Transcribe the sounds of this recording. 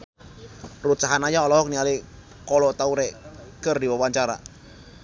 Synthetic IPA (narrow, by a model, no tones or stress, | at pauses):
rusaɦanajaɔlɔɦɔk̚niali | kɔlɔt̪auɾɛʔkərdiwəwaɲt͡ʃaɾa̰